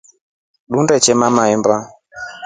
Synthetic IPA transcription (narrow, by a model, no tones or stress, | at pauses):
ɗundɛt͡ʃɛmamaɛmba